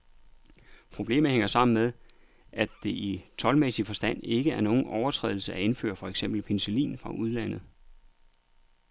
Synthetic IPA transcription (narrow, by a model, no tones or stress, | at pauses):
pʰʁo̝b̥le̝̰ːm̩ˠheŋɐsɑ̈m̰n̩meðˠ | ʔæd̥e̝ʔit͡sʰɒ̽lmesifɒ̽sd̥æn̰e̝ɡ̥əæɐno̝ːn̩ʔɒʊɐt͡sʰʁɛ̰ːðˠl̩səæe̝nfø̰ːɐfɒ̽eɡ̥semb̥l̩pʰe̝nselḭːnfʁɑ̈ʔuðˠlæn̰ð̞̩ˠ